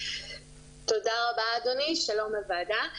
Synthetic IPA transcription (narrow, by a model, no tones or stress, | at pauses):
t̪od̪aʁabaːd̪oniʃalo̞mevaːd̪a